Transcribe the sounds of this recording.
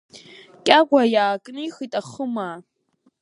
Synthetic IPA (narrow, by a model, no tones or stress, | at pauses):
kʲʼaɡʷajaːkʼnɨiχitʼaχəmaː